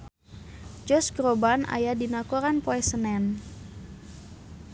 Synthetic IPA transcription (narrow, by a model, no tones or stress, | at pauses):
d͡ʒɔsɡɾobana̰jadinakoɾanpoɛsənɛn